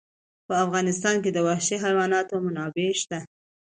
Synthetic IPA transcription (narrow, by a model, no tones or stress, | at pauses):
pəafɣɑnɪst̪ɑnked̪əwaxʃiɦajwɑnɑt̪omʊnɑbeʃt̪a